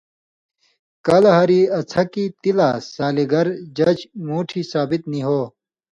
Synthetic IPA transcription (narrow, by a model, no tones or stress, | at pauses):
kaːlɐɦaːɾiɐt͡sʰɐkit̪ilasaːliɡɐɾd͡ʑɐd͡ʑmuːʈʰisaːbit̪niɦoː